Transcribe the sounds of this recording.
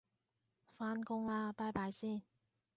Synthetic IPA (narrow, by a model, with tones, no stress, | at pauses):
faː˧nkʊ˧˥ŋaː˧paː˧˥jpaː˨˧jsiː˥˩n